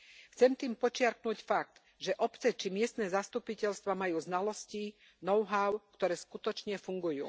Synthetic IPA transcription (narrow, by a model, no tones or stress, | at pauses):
xt͡sɛmt̪iːmpɔt͡ʃɪaɾknucfak̚t̪ | ʒɛʔɔpt͡sɛt͡ʃimɪɛst̪nɛːzast̪upicɛʎst̪ʋamajuːznalɔsci | nɔʊɦaʊkt̪ɔɾɛːskut̪ɔt͡ʃɲɛfuŋɡujṵː